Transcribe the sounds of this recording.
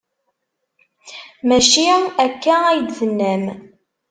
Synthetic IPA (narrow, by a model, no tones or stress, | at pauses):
mæʃiækːææjd̪ðənːæm